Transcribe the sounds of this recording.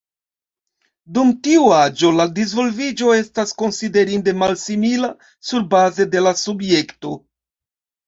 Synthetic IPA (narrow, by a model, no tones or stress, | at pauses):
dumtiuad͡ʒo̞ladizvo̞lvid͡ʒo̞e̞stasko̞nside̞ɾinde̞malsimila | suɾbaze̞de̞lasubje̞kto̞